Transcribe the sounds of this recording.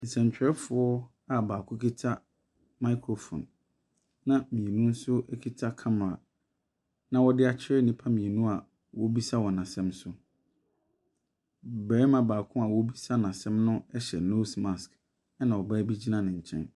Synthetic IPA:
n̩˨sɛ̃˨ɲt͡ɕᶣɾɛ˦fʊ˨˦ɔ˦ | a˨baː˨kʰʊ̃˦kʰi˦tʰa˦ | ma˦kʰɾo˨fɔ̰̃˨n | nã˦mĩ˨e˨nũ˦n̩˦sʊ˦ʔɛ˦kʰi˦tʰa˦kʰã˦ma˨ | nã˨wɔ˦dɪ˦a˨t͡ɕʰɪ˦ɾɛ˦nĩ˦pʰa˦mĩ˨ɛ˨nũ˦a˨ | wɔ˦bi˦sa˦wɔ˨nã˨sɛ̃˦msʊ˦ | bɛ˨ɛ˦mã˨baː˨kʰʊ̃˦a˨wɔ˦bi˦sa˦nã˨sɛ̃˦mnʊ̃˦ɛ˦ɕɛ̰˨no˦sma˨sk | ɛ˦nã˨wɔ˨ba˦bi˦d͡ʑi˦nã˦˨nɪ̃˨ɲ̩˨t͡ɕʰɛ̰̃˦n

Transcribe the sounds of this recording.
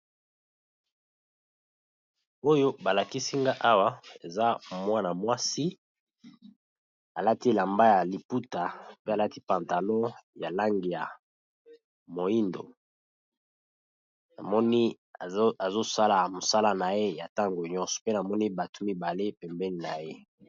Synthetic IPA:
o˦jo˦ba˨la˨ki˦si˦ŋɡa˦ʔa˦wa˦e˨za˦mwa˦na˨mwa˦si˦ | a˨la˦ti˦la˨mba˦ja˨li˨pu˦ta˨pe˦a˨la˦ti˦pa˨nta˨lɔ̃˦ja˨la˦ŋɡi˨ja̰˨ | mo˨i˦ndo̰˨ | na̰˨mɔ˦ni˦˨ | a˨zo˦sa˦la˨mo˨sa˦la˦na˨je˦ja˨ta˦ŋɡo˨ɲɔ̃˦sɔ̥˨pe˦na˨mɔ˦ni˦ba˨to̥˦mi˦ba˨le˦pɛ˨mbɛ˦ni˨na˨je˦

